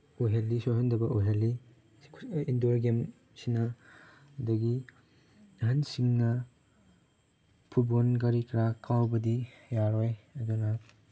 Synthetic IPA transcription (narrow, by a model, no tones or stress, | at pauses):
oɦelːisohɐndɐbɐʔoɦeli | indoɾɡem | sinɐ | dɐɡi | ɦɐnsiŋnɐ | pʰubonɡaɾikɾakʰawbɐdijaɾojɐdunɐ